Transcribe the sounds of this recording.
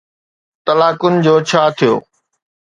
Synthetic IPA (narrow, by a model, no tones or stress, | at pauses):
t̪ɐlaːkʊnɪ̆d͡ʑoːt͡ɕʰaːt̪ʰijo̰ː